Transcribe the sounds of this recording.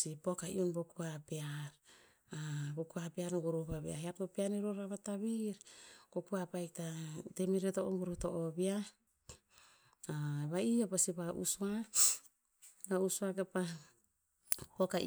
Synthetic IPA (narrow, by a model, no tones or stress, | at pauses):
sipo̞kaḭonbokuapeaɾ | abokuapeaɾŋɡuɾupaβia̰hiaptopianiɾoɾaβataβiɾkokuapajktatemiɾetoʔoŋɡuɾuto̞ʔobia | βaiopasiβaʔṵsua | bausuaɡepa | poka̰